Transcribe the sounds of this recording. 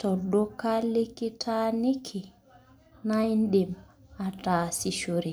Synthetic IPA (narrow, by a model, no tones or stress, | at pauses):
tɔdɔkalekːitʰanikʰːi | najndɛm | ataːsiʃoɾi